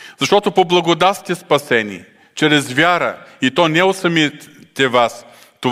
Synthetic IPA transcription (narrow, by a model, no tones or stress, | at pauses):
zɐʃt̪ɔt̪opoblˠɐɡod̪at̪st̪ʲɛspɐsɛnʲḭ | t͡ʃɛɾɛzvʲaɾə̰it̪ɔnɛosɐmit̪ɛvas | t̪o